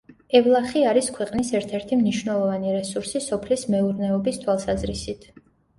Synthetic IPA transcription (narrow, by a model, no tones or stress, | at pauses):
ɛvlˠaχiaɾiskʰwɛqʼnisɛɾt̪ʰɛɾt̪ʰimniʃwnɛlˠɔvaniɾɛsuɾsisɔpʰlismɛuɾnɛɔbist̪ʰwalˠsazɾisit̪ʰ